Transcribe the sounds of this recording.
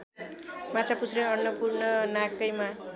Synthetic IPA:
mat͡sʰaput͡sʰɾʌʌnːʌpurnʌnakːʌjma

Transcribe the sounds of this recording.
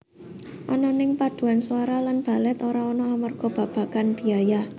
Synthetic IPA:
ʔɔnɔnɪŋpad̪̥ṳanswaɾalanb̥a̤lɛt̪oɾaɔnɔamərɡ̥ɔ̤b̥a̤b̥a̤kanb̥iaja

